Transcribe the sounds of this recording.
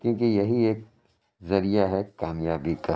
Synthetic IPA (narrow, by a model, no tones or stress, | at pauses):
kjõːkejɐɦieːk̚ | zɐɾijaɦɛkaːmjaːbikɐ